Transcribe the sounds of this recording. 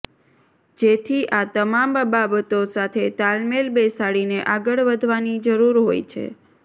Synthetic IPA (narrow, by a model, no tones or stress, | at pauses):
d͡ʒet̪ʰiʔat̪əmambababət̪osat̪ʰet̪almelbesaɽineʔaɡəɭʋəd̪ʱʋanid͡ʒəɾuɾɦo̰jt͡ʃʰḛ